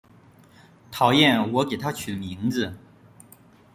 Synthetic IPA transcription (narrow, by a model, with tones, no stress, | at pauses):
t̪ʰɑ˨˩ʊjɛ˥˩nwɔ˧˥ke˨˩ɪt̪ʰa˥t͡ɕʰy˨˩mi˧˥ŋd͡zɹ̩˧˨